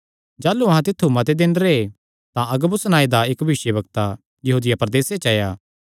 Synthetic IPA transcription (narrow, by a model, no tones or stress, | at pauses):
d͡ʒaːlːuɐɦãt̪ɪt̪ʰːumɐt̪ed̪ɪ̃nd̪əɾee | t̪ãʔɐɡəbʊsnaːid̪aeːkbʱɪsjəbɐkt̪a | jɐɦuːd̪ɪjapɐɾd̪eːset͡ʃɐːjaː